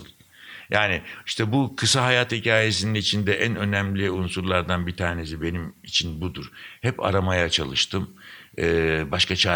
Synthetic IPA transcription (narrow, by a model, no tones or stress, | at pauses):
ɯlˠ | jaːnɪiʃt̪ʰɛbukʰɯsaɦajat̪hicʰaːje̞s̬ininit͡ʃʰind̪ɛʔænø̞næmlʲiunsuɾlˠaɾd̪anbit̪ʰaːne̞s̬ibe̞nimit͡ʃʰinbud̪uɾ̥hɛpa̰ɾamajat͡ʃʰalˠɯʃt̪ʰɯm | ɯːbaʃkʰat͡ʃʰa